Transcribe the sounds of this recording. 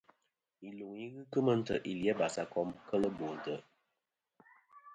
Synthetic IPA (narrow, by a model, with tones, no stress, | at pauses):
i˨lu˨ŋji˦ɣɨ˦kɨ˦mə˦n̩˦tə˨ʔi˨li˨ɛ˦ba˨sa˨kɔ˦mkə˦lə˦bo˨n̩˨tə˨